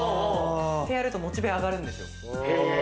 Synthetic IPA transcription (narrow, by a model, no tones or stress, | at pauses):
tʰejaɾɯɭt͈omot͡ɕ͈ibeaɡaɾɯndeo